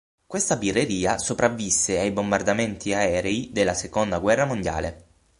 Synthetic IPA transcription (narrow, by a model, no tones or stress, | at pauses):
kwest̪abirːeɾiːasopɾavːisːeajbombard̪ament̪ʰiaɛːɾeid̪elːasekond̪aɡwɛrːamond̪ja̰ːlḛ